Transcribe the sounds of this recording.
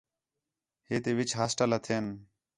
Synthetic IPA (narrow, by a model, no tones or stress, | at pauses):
ɦeːt̪eːʋɪt͡ʃɦaːsʈələt̪ʰeːn